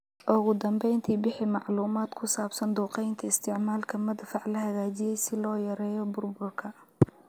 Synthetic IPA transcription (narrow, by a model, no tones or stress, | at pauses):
ʔʊɣʊd̪ɐmbɛjnt̪ʰiːbɪħɪmɑʕluːmaːd̪kʰʊsaːbsɐnd̪uːqɛjnt̪ʰɐɪst̪ʰɪʕmaːlkʰɐmɐd̪fɑʕlɐɦɐɣaːt͡ʃɪjɛjsɪlɔːjɐɾɛːjɔbʊrbʊrkʰɐ